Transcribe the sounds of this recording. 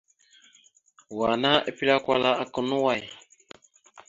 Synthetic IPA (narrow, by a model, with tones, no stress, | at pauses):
wa˨na˦ʔe˨pi˦la˦kwa˦la˦a˨kə˨nu˦wa˦˨j